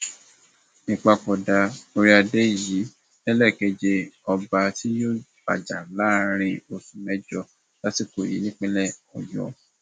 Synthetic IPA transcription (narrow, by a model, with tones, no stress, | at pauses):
nĩ˧˨k͡pa˧k͡pɔ˨da˨˧o˧ɾi˦a˧de˦˨ji˨˦ | ɛ˦lɛ˦˨kɛ˧d͡ʒe˧ɔ˧ba˧ti˦jo˦ba̰˨d͡ʒa˨la˦ɾ̃ĩ˧o˧sũ˨mɛ˦d͡ʒɔ˧˦ | la˦ti˦˨ko˨jḭ˨˦nĩ˦k͡pɛ˦lɛ˦˨ɔ̰˨jɔ̰̃˨